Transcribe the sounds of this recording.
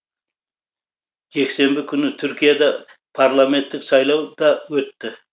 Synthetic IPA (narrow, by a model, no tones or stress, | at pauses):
ʒe̞kse̞mbɪkʲʰʏnɪt̪ʰʏɾkʲijad̪ɑ | pʰaɾlˠame̞nt̪ːɪksɑjlˠɑwd̪̥ɑwɵt̪ːɪ